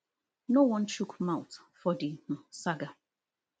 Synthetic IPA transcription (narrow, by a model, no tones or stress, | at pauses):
nowʌ̃nt͡ʃukmaʊt | fɔdih̩saɡa